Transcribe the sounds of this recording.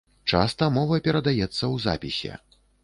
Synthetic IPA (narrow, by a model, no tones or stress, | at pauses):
t͡ʂa̰st̪ɐmɔvɐpʲɛɾɐd̪ajɛt̪sːɐwza̰pʲisʲɛ̰